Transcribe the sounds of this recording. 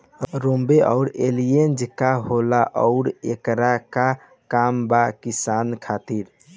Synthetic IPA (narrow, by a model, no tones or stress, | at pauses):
ɾombeʔə̰ʊɾelijend͡ʒkaɦolaʔɔʊɾḛkɾaka | kambakisankʰat̪iɾ